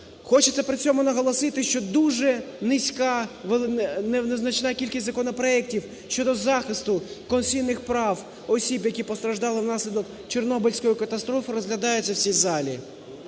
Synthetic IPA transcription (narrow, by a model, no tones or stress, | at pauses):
xɔt͡ʃet̪sʲɛpɾɪt͡sʲɔmʊnɐɦɔlˠɔsɪt̪ɪʃt͡ʃɔd̪uʒɛnɪsʲkɑʋenɛwneznɐt͡ʃnɑkʲilʲkʲisʲzɐkɔnɔpɾɔɛktʲiw | ʃʲt͡ʃɔd̪ɔzɑxɪst̪ʊkɔnsʲijnɪxpɾɑw | ɔsʲibjɐkʲipɔst̪ɾɐʒd̪ɑlˠɪwnɑsʲlʲid̪ɔk | t͡ʃernɔbɪlʲsʲkɔjʊkɐt̪ɐst̪ɾɔfɪɾɔzɦlʲɐd̪ɑjʊtʲt͡sʲːɐwsʲijzɑlʲi